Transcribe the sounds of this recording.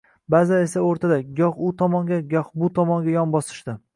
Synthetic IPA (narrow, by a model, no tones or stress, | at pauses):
baze̞saoɾt̪ʰad̪aɡʲɒχʊt̪ʰɒmɒŋɡʲaɡʲɒχbʊt̪ʰɒmɒŋɡʲajɒnbɒsɪ̥ʃd̪ɪ